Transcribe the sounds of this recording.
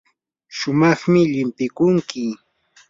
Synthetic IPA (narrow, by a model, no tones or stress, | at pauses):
ʃʊmɑχmɪʎɪmpɪkʊŋkɪ